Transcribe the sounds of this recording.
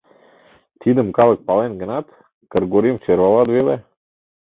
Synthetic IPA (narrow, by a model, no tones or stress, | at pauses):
t̪ʰid̪əmkalˠək̚palɛnɡənat̪ | kəɾɡoɾimft͡ʃɛɾvalˠat̪vilɛ